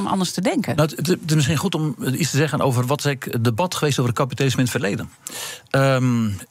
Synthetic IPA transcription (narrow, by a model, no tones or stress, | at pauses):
mʔɑ̰ndəɹstədɛŋkənottɪsmɪsχinχutɔmistəzɛɣənʔo̰wvərʋɔtsɛɪkədəbɑtχəʋeːstoːvərətkapitalɪsməɪnətfərlejdən | ə